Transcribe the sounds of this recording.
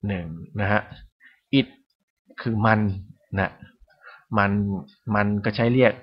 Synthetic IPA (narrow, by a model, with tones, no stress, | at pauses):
nɯ˨˩ŋna˦˥kʰa˦˥ʔ | ʔi˨˩t̪̚ | kʰɯː˧ma˧n | na˦˥ʔ | ma˧n | ma˧nkɔː˥˩t͡ɕʰa˦˥jɾi˥˩ək̚